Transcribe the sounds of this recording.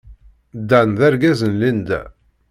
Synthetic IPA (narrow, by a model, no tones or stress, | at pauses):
d̪ːænðæɾɡæzənlind̪æ̰